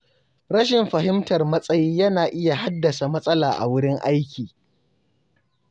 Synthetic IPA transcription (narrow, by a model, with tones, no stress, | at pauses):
ɾɐ˦ʃɪ˨mɸɐ˨ɦɪ˦mtɐ˨rmɐ˦sʼɐ˦jiː˦jɐ˦naː˨ʔɪ˦ja˨ha˦dːɐ˨sa˨mɐ˦sʼɐ˦laː˨ʔa̰˨wʊ˦ɽɪ˦ŋʔa˦jkʲiː˨